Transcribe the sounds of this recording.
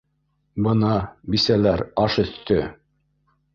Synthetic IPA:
bɤnɑbisælæɾɑʃɵ̆θt̪ɵ

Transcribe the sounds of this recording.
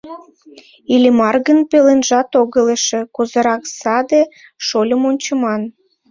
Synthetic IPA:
ilʲimɑrɣənpelenʒɑt̪oɣə̆leʃĕkuzə̆ɾɑksɑd̪e | ʃolʲə̆monʲt͡ɕə̆mɑn

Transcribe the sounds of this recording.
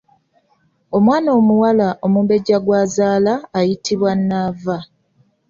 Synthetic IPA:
o̞mwaːnoːmuwalaʔo̞muːmbe̞ɟaɡwaːzaːlaːjitʰiβwanːaːva

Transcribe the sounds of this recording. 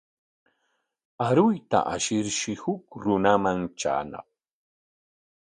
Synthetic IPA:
aɾʊjt̪a̰ʔaʃɪɾʃɪhʊkɾʊnamaŋt͡ʃa̰ːnɑ̰χ̚

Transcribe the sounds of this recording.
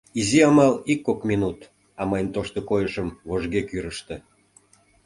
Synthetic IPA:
iziɑmɑlikːokmʲinut̪ | ɑmɑjnt̪oʃt̪okojəʃəmvoʒɡekyɾəʃt̪ĕ

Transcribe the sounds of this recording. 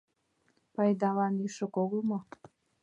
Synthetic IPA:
pɑjd̪ɑlɑnyʃə̆koɣomo

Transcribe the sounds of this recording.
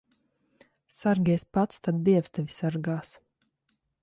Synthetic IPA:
saɾɡʲɛspat̪st̪ad̪̚ːiɛst̪ɛvʲisaɾɡaːs

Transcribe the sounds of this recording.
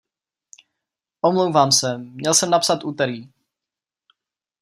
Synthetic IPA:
ʔomlowvaːmsɛmɲɛlsɛmnapsat̪ʔuːt̪ɛɾiː

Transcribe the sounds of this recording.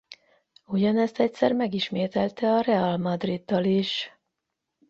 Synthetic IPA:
uɟɒnɛst̪ɛc̚sɛ̰rmɛɡiʃmeːt̪ɛlt̪ɛɒrɛalmɒd̪rid̪ːɒliʃ

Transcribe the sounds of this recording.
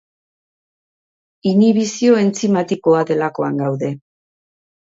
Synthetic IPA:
iniβ̞isio̞e̞nt͡simat̪iko̞aðe̞lako̞aŋɡawðe̞

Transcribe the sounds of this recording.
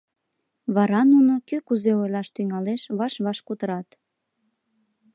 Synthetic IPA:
βɑɾɑnunokøkuzeojlɑʃt̪yŋɑleʃβɑʃβɑʃkut̪əɾɑt̪

